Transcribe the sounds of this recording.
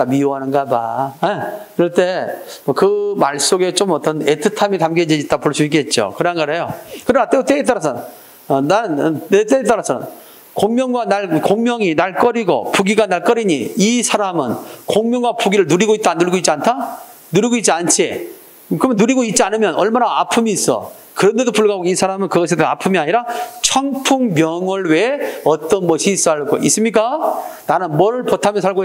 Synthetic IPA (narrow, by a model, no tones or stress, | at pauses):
tamioɦanɯnɡabaeiɾʌɭt͈e̞mʌkɯmaɭs͈oɡe̞t͡ɕomʌt͈ʌne̞tʰɯtʰamitamɡed͡ʑiit͈apoɭs͈uik̬͈e̞t̚t͡ɕ͈o̰kɯɾanɡʌɾɦejokɯɾʌnat͈et͈eet͈ʌɾas̬ʰʌn | ʌnanet͈eet͈aɾasʰʌnɯ̰n | koŋmjʌŋɡwanaɭkoŋmjʌŋinaɭk͈ʌɾiɡo̰puɡiɡanaɭk͈ʌɾiɲiisʰaɾamɯnkoŋmjʌŋɡwapuɡiɾɯɭnuɾiɡoit̚t͈anuɾɡoit̚t͡ɕiantʰa | nuɾiɡoit̚t͡ɕ͈iant͡ɕʰi | kɯmjʌnuɾiɡoit̚t͡ɕ͈ianɯmjʌnʌɭmanaapʰɯmiːs͈ʌ̰ | kɯɾʌnde̞dopuɭɡaɡoisʰaɾamɯnkɯɡʌsʰedoa̰pʰɯmiaɲiɾat͡ɕʰʌŋpʰuŋmjʌŋwʌɭweʌt͈ʌnmʌɕʰis͈uɦaɭɡo̰is͈ɯmɲik̬͈ananɯnmʌɾɯɭpʌtʰamjʌnsʰaɭɡo